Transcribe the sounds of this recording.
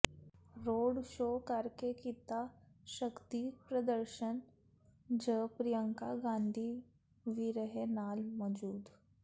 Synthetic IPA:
ɾoːɖʃoːkəɾkekɪt̪aʃəkt̪ipɾəd̪əɾʃən | d͡ʒəpɾijə̃ŋkaɡãːnd̪ʱi | ʋiɾəɦenaːlmɔd͡ʒuːd̪

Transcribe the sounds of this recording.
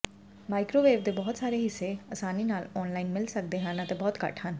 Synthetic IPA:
maːikɾoːʋeːbd̪eːbɔːt̪saːɾeːɦɪsːeəsaːniːnaːlɔːnlaːinmɪlsək̚d̪eːɦənət̪ebɔːt̪kə̰ʈʰɦən

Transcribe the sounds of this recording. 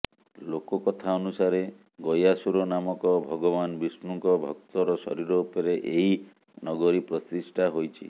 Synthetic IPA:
lokɔkɔt̪ʰaɔnusaɾe | ɡɔjasuɾɔnamɔkɔbʱɔɡɔbanbismuŋkɔbʱɔk̚t̪ɔɾɔsɔ̰ɾiɾɔpeɾeʔeɦi | nɔɡɔɾipɾɔsisʈʰaɦojt͡ʃʰḭ

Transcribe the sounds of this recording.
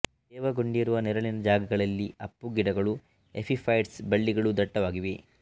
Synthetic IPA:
d̪ɛːʋɐɡoɳɖijɐɾuʋɐnɛɾɐɭinɐd͡ʒaːɡɐɡɐɭɐlːiɐpːuɡiɽɐɡɐɭu | epʰipʰɐjɖsbɐɭːiɡɐɭud̪ɐʈːɐʋaːɡiʋe

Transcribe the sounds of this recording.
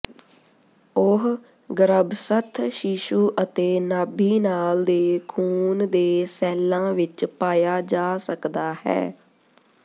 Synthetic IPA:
ʊɦ | ɡəɾəbsət̪ʰʃɪʃuːʔət̪eːnaːbiːnaːld̪eːkʰuːnd̪eːsɛːlãːʋɪt͡ʃpaːjaːd͡ʒaːsəkd̪aːhɛ̰ː

